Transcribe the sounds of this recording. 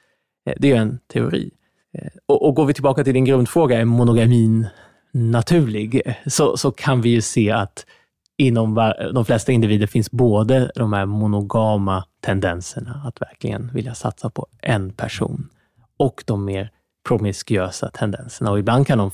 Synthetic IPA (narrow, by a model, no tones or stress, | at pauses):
d̪ɛjɵɛnt̪ʰɛʊ̰ɾḭː | ɔʔɔɡoːɾvɪt̪ʰɪlbɑːkat̪ʰɪld̪ɪnɡɾɵnd̪fɾoːɡaɛɾmʊnʊɡamiːnː | at̪ʰʉ̟ːɭɪɡsɔsɔkʰanvɪjɵseːat̪ | ɪnːɔmvad̪ɔmflɛst̪aɪnd̪ɪviːd̪əɾfɪnsboːd̪əd̪ɔmhæɾmʊnʊɡɑːmat̪ʰɛnd̪ɛnsəɳaːt̪væ̰ɾklɪ̰ɡə̰nvɪ̰ljasa̰t̪sapʰɔʔɛnpʰæʂṵːn | ɔkd̪̥ɔmːeːɾ | pʰɾʊmɪskʏøːsa̰t̪ʰɛnd̪ɛ̰nsəɳaɔɪbland̪̚kʰand̪ɔm